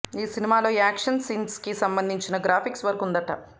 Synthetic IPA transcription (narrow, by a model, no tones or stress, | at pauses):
iːsinimaːlo̞ːaːkʂɐnsiːnskisɐmbɐnd̪ʱiɲt͡ʃinɐɡɾaːpʰiksʋɐɾkund̪ɐʈɐ̰